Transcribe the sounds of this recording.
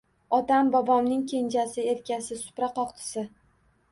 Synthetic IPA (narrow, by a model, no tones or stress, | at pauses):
ɒt̪ambɒbɒmnɪŋkʲʰe̞nd͡ʒasɪe̞ɾkʲasɪsʊ̥pɾaqɒqt̪ʰɪ̥sɪ